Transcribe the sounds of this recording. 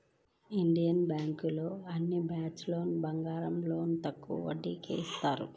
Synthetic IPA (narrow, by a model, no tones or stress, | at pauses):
iɳɖijɐnbjaːŋkuloːɐnːibʱaːt͡ʃlo̞ːnbɐŋɡaːɾɐmlo̞ːnt̪ɐkːṵʋɐ̰ɖːiːkḛːist̪aːɾṵ